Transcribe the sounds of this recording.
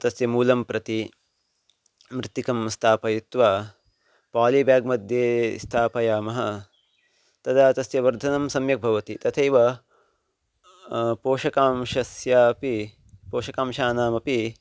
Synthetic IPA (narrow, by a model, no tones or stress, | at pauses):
t̪ɐsjɐmuːlɐmpɾɐt̪i | mɾɪt̪ːikɐmst̪ʰaːpɐjut̪ʋa | paːlibjaːɡ̚mɐd̪ʱjeːst̪ʰaːpɐjaːmɐɦɐ | t̪ɐd̪aːt̪ɐsjɐʋɐɾd̪ʱɐnɐmsɐmjɐk̚bʱɐʋɐt̪it̪ɐt̪ʰɐjʋɐ | poːʃɐkaːmʃɐsjaːɐpi | poːʂɐkaːmʃaːnaːmɐpi